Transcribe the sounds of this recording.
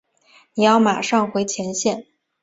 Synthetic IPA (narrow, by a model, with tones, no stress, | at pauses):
ni˨˩jɑ˥˩ʊma˨˩ʂɑ˥˩ŋxwe˧˥ɪt͡ɕʰjɛ˧˥nɕjɛ˥˩n